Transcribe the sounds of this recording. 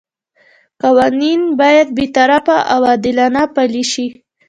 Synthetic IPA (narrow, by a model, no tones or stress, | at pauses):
qawaninbɑjad̪̚bet̪aɾafaʔawad̪ɪlanapaliʃi